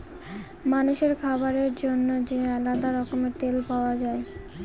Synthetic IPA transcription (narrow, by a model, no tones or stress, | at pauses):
manuʃeɾkʰabaɾeɾd͡ʑonːod͡ʑealad̪aɾɔkomeɾt̪elpaoad͡ʑae